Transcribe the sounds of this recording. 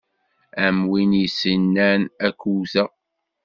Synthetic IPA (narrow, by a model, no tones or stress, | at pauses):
æmwinisənːænækːuθæ